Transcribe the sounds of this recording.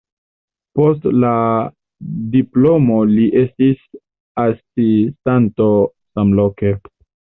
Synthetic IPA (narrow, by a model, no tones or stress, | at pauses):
po̞stla | diplomoliʔe̞stis | asistanto̞ | samloke̞